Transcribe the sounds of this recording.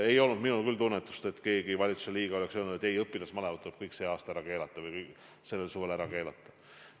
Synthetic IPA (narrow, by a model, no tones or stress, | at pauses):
e̞jo̞lnud̪minulkylt̪unːet̪ːˑu̥st̪e̞t̪ke̞ːɡivɑlʲit̪su̥seliːɡ̥ɑo̞leksølnud̪et̪ːˑejɤpːˑilɑsmɑlemɑd̪t̪ːuleb̥̚kɤjkse̞ːɑːst̪ɑæɾɑke̞ːlɑt̪ːˑɑvɤjkɯk | se̞lːelsuve̞læɾɑke̞ːlɑt̪ːˑɑ̥